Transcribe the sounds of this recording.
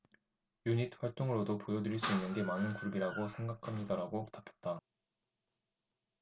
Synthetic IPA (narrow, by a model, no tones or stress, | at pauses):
juɲit̚ɸwaɭt͈oŋɯɾodopojʌdɯɾiɭs͈uinːɯnɡe̞manɯnkuɾbiɾaɡosʰe̞ŋɡakʰamɲidaɾaɡotapʰjʌ̥t̚t͈a